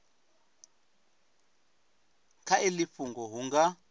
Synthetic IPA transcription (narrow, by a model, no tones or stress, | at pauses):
kʰailiɸuŋɡɔɦuŋɡa